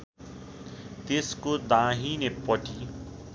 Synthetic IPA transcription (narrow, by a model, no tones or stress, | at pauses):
t̪eskod̪ãɦinepʌʈʰi